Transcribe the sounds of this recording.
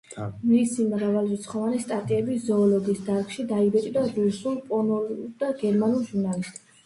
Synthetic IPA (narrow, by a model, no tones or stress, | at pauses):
misimɾavalvɛt̪sʰχɔvanist̪ʼat̪ʼiɛbizɔːlɔd̪isd̪aɾkʃid̪aibɛt͡ʃ̪ʼid̪aɾusulˠpʼɔnuld̪aɡɛɾmanulˠʒuɾnalist̪ʼ